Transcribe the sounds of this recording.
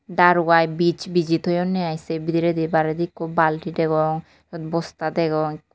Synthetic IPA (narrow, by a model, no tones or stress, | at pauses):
ɖaɾuɡajbit͡ɕbid͡ʑit̪ojonːeajsebid̪iɾed̪ibaɾed̪ikkʰːubbalʈiɖeɡɔŋ | ɔd̪bɔst̪ad̪eɡɔŋ